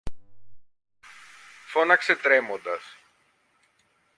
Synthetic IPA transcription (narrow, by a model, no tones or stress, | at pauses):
fo̞nɐkse̞t̪ɾemond̪ɐs